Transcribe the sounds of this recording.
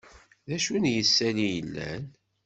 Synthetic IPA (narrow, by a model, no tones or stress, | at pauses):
ðæʃunjəsːælijəlːæ̰n